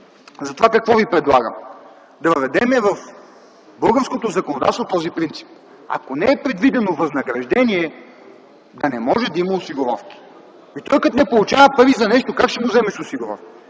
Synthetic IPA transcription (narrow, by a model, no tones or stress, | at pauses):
zɐt̪ovakɐkvɔvipɾɛd̪lˠaɡə̰m | d̪ɐvəvɛd̪ɛmɛvɐf | bɤlˠɡəɾskot̪ozɐkonod̪a̰t̪st̪ot̪ɔzipɾint̪si̥p̚ | ɐ̰konɛɛpɾɛd̪vid̪ɛnovɐznɐɡɾɐʒd̪ɛniɛ | d̪ɐnɛmɔʒɛd̪ɐimɐʊsiɡʊɾɔ̰fkʲi̥ | it̪ɔjkət̪nɛpolˠut͡ʃavɐpɤɾvizɐnɛʃt̪okakʃt̪ɛmuzɛmɛʃʊsiɡʊɾɔ̰fki̥